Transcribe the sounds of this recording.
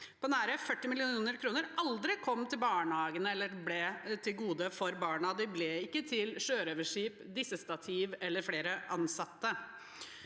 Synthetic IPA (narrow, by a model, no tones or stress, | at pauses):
pʰoːnæːɾəfœʈːɪmɪlɪuuːnəɾkʰɾuːnəɾʔɑld̪ɾɪkʰɔmːt̪ʰɪlbɑːɳəhɑːɡənəɛlːəɾblɛt̪ʰɪlɡuːd̪əfɔɾbɑːɳɑd̪ɪblɛɪkːət̪ʰɪlʃøːɾoːʋəʂiːpd̪ɪsəst̪ɑt̪ʰiːʋɛlːəɾfleːɾəʔɑnsɑt̪ːə